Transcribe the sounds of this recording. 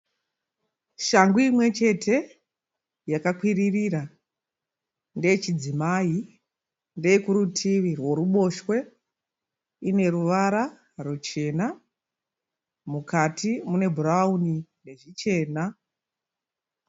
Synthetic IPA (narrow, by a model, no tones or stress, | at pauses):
ʃaŋɡuimwe̞t͡ʃe̞tʰe̞ | jakakwiririra | nde̞jet͡ʃid͡zimai | nde̞jekuɾutʰiʋirwo̞ɾuɓo̞ʃwe̞ | ine̞ruʋaɾa | rut͡ʃe̞na | mukatimune̞bʱuraunine̞ʐit͡ʃe̞ːna